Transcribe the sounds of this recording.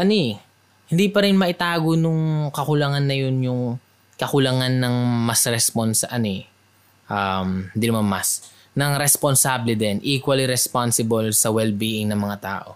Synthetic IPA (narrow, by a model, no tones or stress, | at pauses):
ʔɐno | hɪnd̪iːpɐɾɪnmɐʔɪt̪aːɡonʊŋkɐkʊlɐŋanːɐjo̞njʊŋ | kɐkʊlɐŋanːɐŋmɐsɾɛsponsɐʔɐno | ʔamhɪnd̪inɐmanmɐs | nɐŋɾɛsponsaːblɪd̪ɛnʔiːkwɐliɾɛspansɪbolsɐwɛlbiːʔɪŋnɐŋmɐŋat̪a̰ːʔo̞̰